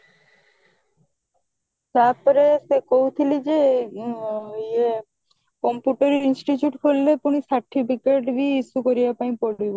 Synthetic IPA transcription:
t̪aɾpɔɾesekoɦwt̪ʰilid͡ʑe | e | kɔmpjuʈaɾeɾinsʈit͡ɕjuʈkʰolːepuñisaɾʈipikeʈɾiisukoɾijapaj̃poɽibo

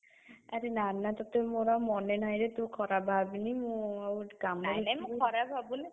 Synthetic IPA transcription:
aɾenanat̪ɔt̪emoɾamɔnenajɾet̪ũkʰɔɾabʱabinimuwkamɔlinamũkʰɔɾabʱabuni

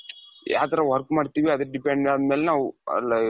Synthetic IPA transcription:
ja̰ːt̪ɐɾɐʋɐɾkmaːɖt̪iːʋiɐd̪ɐɾɖipeɳɖad̪meːlenaːʋɐ̰lɐ

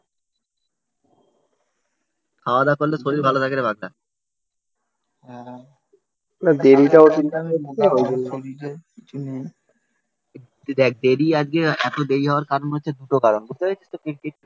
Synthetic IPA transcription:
kʰaoad̪akoɾlesoɾiɾbʱalot̪ʰakeɾebʱaɡla̰ | ɦɛ̃ | nad̪eɾiʈaot̪int̪amotaɾoesoɾiɾekit͡ɕʰune | d̪ɛk̚d̪eɾiad͡ʑɡeɛt̪od̪eɾiɦɔaɾkaɾonɦotːɕʰed̪uʈokaɾonɡut̪eɦojt͡ɕʰest̪okiɾkeʈ̚

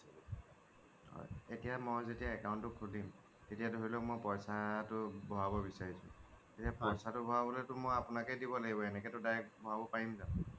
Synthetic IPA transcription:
ɦɔ̰jetijamɔjzetijaɛkawntʊkʰulim | tetijadʱoɹilɛmojpɔjsatʊbɔɦabɔbisaɹisʰʊ̰̃ | etijapɔjsatʊbɔɦabɔlɛtʊmojapʊnakɛdibɔlaɡibɔɛnɛkɛtʊdajɛkbɔɦabɔpaimza

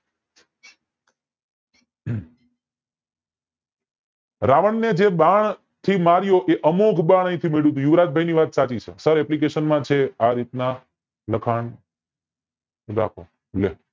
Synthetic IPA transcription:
ɾaʋəɳned͡ʒeɓaɳ | t̪ʰimaɾjoʔeʔəmokʰbãɳ̃ə̃ĩt̪ʰimeɽut̪̬ũjuʋɾad͡ʒ̪̚bʱajniʋat̪sat͡ʃit͡ʃʰḛsəɾɛplik̬eʃənmãt͡ʃʰeaɾit̪na | ləkʰaɳ | ɾa̰kʰo̰ | le

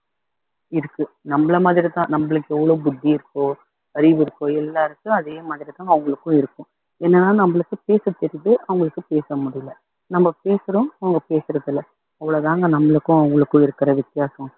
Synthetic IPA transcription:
ɪɾɯkːɯ | nɐmːɐɭɐmaːðɪɾit̪ãːnɐmːɐɭɯkːɯɛʋːɐɭoːbʊd̪ːiɪɾɯkːʊ̃ | ɐɾɪʋɪɾɯkːʊ̃ɛlːaːɪɾɯkːɯ̃ɐðeːmaːðɪɾit̪ãːɐʋɐŋɡɐɭɯkːʊ̃ɪɾɯkːʊ̃ | ɛnːɐnːaːnɐmːɐɭɯkːɯpeːsɐt̪ːɪɾɪʈːɯʔɐʋɐŋɡɐɭɯkːɯpeːsɐmʊɽɪjɐlɐ | nɐmːɐpeːsɯɾʊ̃ɐʋɐŋɡɐpeːsɪɾɐðɪlːɐ | ɐʋːɐɭoːðaːŋɡɐnɐmːɐɭɯkːʊ̃ɐʋɐŋɡɐɭɯkːʊ̃ɪɾɯkːɪɾɐʋɪt̪ːɪjaːsɐ̃

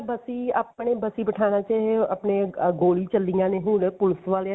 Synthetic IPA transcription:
bəsiəp̚neːbəsiːbəʈʰaːnaːt͡ʃaːɦeəpneɡoːlit͡ʃəlːijãːnẽɦũːnpʊlsʋaːle

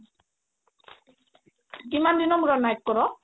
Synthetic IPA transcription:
kimand̪inɔmɾɔnajk̚kɔɾɔ

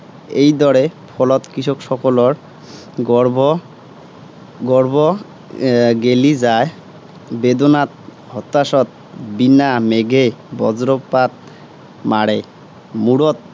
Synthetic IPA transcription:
ejd̪ɔɾepʰɔlɔt̪kɾiʃʰokʃɔkoloɾ | ɡɔɾbo | ɡelid͡ʑae | bed̪onat̪̚ | hɔt̪ːaʃɔt̪̚ | binameɡebɔd͡ʑɾopːat̪̚ | maɽḛ | muɽot̪̚

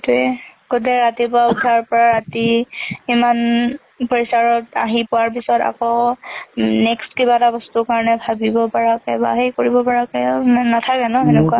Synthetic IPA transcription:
tuɛkotɛɹatipʊaudʱaɹpɔɹaɹatiː | man | pɔɹisaɹɔta̰ɦipʊwaɹp̬isɔta̰kɔ | nɛkstkibatabɔstʊkaɹɔnɛbʱabibɔpaɹakɛbaɦejkoɹibɔpaɹakɛnatʰakɛnɔɛnɛkua

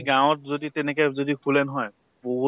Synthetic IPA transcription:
ɡãwʊ̃ɔt̚zoditɛnɛkɛzodipʰulɛnɔɦɔj | boɦu

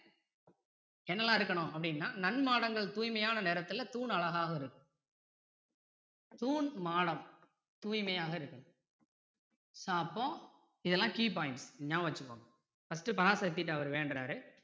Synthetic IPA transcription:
ɛnːɐlːãːɪɾɯkːɐɳʊ̃ɐpːɐɽɪnːaːnɐnmaːɽɐŋɡɐɭt̪uːjmɐjaːnɐneːɾɐt̪ːɯlɐt̪uːnɐɭɐɣaːɣɐɪɾɯkːɯ | t̪uːnmaːɽɐm | t̪uːjmɐjaːɣɐɪɾɯkːɐ | saːpːõː | ɪðɛlːãːkiːp̬aːɪɳʈsɲãːʋɐt͡ʃːɯkːo̰ːŋɡɐ | fɐsʈːɯpɐɾaːsɐt̪̬ːɪʈːɐʋɐɾʋeːɳɖɾaːɾɯ

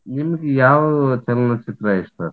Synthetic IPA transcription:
nimːɐɡejaːʋɐt͡ʃɐlɐnɐt͡ʃit̪ɾajiʂt̪ɐ

